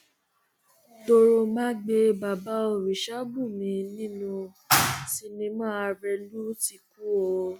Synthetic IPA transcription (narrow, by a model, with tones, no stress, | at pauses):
do˧ɾo˧mã˦ɡ͡be˧ba˨ba˦o˧˨ɾi˨ʃa˦bũ˦˨mĩ˨˦nĩ˦nũ˧ | ti˧nĩ˧mãː˦˧ɾɛ˧lu˦ti˧ku˦o˧